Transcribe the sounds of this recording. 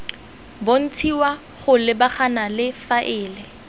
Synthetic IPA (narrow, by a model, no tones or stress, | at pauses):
bon̩t͡sʰiwa | χʊlɪbaχanalɪfaʔɪːlɪ